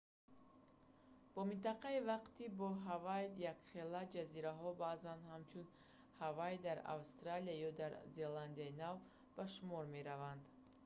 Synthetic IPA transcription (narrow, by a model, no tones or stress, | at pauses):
b̥ɔmint̪aqʰaivaqt̪ʰibɔɦavajd̪jakχe̞lad͡ʒaziɾaɦɔbazanhamt͡ʃʰun | havajd̪aɾa̰vst̪ɾaliajɔd̪aɾze̞land̪iainav | b̥aʃumɔɾme̞ɾavand̪